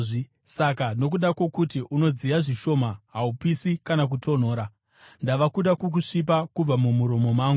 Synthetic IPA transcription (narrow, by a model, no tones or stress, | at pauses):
sakano̞k̬uɗakwo̞kutiʔuno̞d͡zijaʐiʃo̞maɦaupisikanak̬utʰo̞n̤o̞ːɾa | ndaʋakuɗakok̬uʂip̬akub͡vamumuɾo̞mo̞maːŋɡu